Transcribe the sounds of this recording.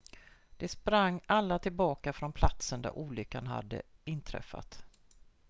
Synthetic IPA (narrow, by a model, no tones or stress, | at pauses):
d̪̥ɛspɾaŋːalːat̪ʰɪlbɑːkafɾɔnpʰlat̪sənd̪æ̰ɾʔuːlʏkːanɦa̰d̪ːə̰ɪnt̪ʰɾɛ̰fːa̰t̪